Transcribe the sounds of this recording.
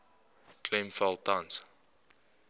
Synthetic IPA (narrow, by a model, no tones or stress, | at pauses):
kʰlẽmfalˠtãns